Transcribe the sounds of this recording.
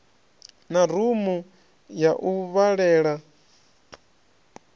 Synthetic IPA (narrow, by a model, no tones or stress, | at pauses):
naɾumu | jaʔuβaɺɛːɺa